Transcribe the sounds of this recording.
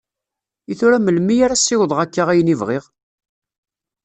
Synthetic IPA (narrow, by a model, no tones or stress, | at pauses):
iθʊɾæməlmijaɾasɪwðˤʁækːaʁæjənivʁɪʁ